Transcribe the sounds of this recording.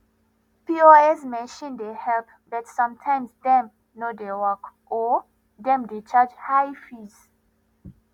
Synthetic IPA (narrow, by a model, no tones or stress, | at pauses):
pioɛsmɛ̃nʃɔ̃ndehɛlp̚ | bɛtsʌ̃mtʰãɪ̃msdɛ̃m | nodewɔk | ɔ | dɛ̃mdet͡ʃad͡ʒhajfiz